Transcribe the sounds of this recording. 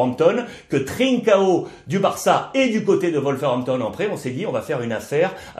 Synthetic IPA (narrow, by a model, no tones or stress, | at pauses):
mt̪ɔn | kət̪χiŋkao | d̪ybaʁsaed̪ykot̪ed̪əvɔlfɛʁɔ̃mt̪ɔnɑ̃pχeɔ̃sɛd̪iɔ̃vafɛʁynafɛːʁ